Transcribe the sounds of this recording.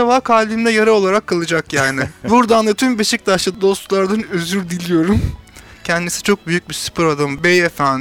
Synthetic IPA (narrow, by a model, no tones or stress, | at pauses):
avaːkʰaːlʲimd̪ɛjaɾaolˠaɾakʰːalˠɯd͡ʒakjaːnɪbuɾd̪and̪at̪ʰymbeʃic̚d̪aʃlˠɯd̪d̪o̞st̪lˠaɾd̪anøzyɾd̪ilʲijo̞ɾumcʰɛnd̪isit͡ʃʰo̞k̚byjyc̚bisy̥pɯɾad̪ambejefæn